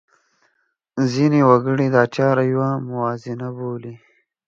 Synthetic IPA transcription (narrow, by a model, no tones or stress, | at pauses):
zinewɐɡəɽid̪ɑːt͡ʃɑːɾajwamʊwɑːzɪnaboli